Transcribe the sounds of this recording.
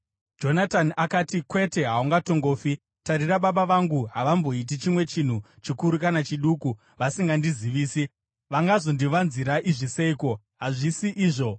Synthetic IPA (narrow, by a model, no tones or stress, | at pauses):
d͡ʒo̞natanʔakatikwe̞te̞ɦauŋɡato̞ŋɡo̞ːfi | taɾiraɓaɓaʋaŋɡuɦaʋambo̞it̬it͡ʃimwe̞t͡ʃin̤ut͡ʃikuɾukanat͡ʃiɗuku | ʋasiŋɡandiziʋiːsi | ʋaŋɡazo̞ndiʋanziɾaʔiʐise̞iko̞ | ɦaʐisiʔiːʐo̞